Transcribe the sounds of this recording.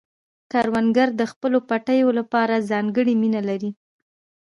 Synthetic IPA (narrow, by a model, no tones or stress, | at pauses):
kɑɾwanɡaɾd̪əxpəlopaʈajolapɑɾazɑŋɡəɽiminalaɾi